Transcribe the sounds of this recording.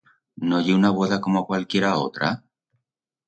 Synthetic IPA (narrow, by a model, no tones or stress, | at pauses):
noʝeunaβo̞ðako̞moakwalkje̞ɾaot̪ɾa̰